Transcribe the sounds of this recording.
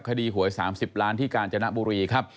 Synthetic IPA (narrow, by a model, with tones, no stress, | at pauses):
p̚kʰa˧diː˧ɦu˨˩˦əjsaː˩˦msi˨˩p̚laː˦˥nt̪ʰiː˥˩kaː˧nt͡ɕa˧na˦˥ʔbuː˧ɾiː˧kʰa˦˥p̚